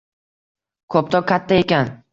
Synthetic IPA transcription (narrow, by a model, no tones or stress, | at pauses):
kʰɵp̚t̪ʰɒkʲʰat̪ʰːaekʲan